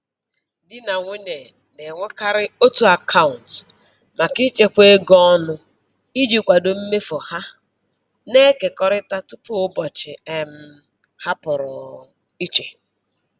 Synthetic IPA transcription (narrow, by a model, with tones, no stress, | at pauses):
dɪ˦na˨ŋʷe˦ɲe˨ | ne˨ŋʷe˦ka˦ɾɪ˦o˦tu˨a˨kʰa˦ʊ˨n˨t | ma˨ki˦t͡ʃe˦kʷe˦ɡɔ˦nʊ˦ | i˦d͡ʒi˨kʷa˨do˨m̩˦me˦fɔ˨ha˦ | ne˦ke˨kɔ˦ɾɪ˦ta˦tu˦pʊ˦ʊ˦bɔ˨t͡ʃɪ̰˨e˨m̩˦ | ha˦pʊ˨ɾʊ˨ | i˦t͡ʃe˨